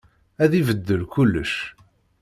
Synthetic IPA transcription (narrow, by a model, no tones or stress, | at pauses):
æðivəd̪ːəlkulːəʃ